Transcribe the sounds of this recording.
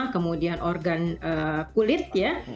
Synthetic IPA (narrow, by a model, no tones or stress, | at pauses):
akəmudianʔɔrɡanəːkulɪt̪̚ja